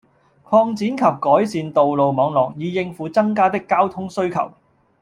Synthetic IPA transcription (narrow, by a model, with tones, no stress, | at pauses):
kʰɔː˧ŋt͡siː˨˥nkʰɐ˨p̚kɔː˨˥jsiː˨nt̪o˨wlo˨wmɔː˨˧˥ŋlɔː˨˩k̚jiː˨˧˥jɪ˧ŋfuː˨˧t͡sɐ˥ŋkaː˥t̪ɪ˥kːaː˥wt̪ʰʊ˥ŋsɵ˥ɥkʰɐ̰˨˩w